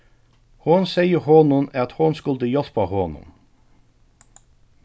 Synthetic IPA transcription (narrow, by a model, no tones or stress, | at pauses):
hʊnsɛɪəhoːnʊnɑt̪hʊnskʊld̪əjɔlpɑhoːnʊ̰n